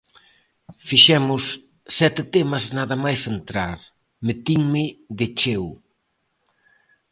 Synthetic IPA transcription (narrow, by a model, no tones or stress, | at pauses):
fiʃɛmʊsː | ɛt̪ɪt̪emɐznaðɐmajsent̪ɾaɾ | met̪iŋmɪðet͡ʃew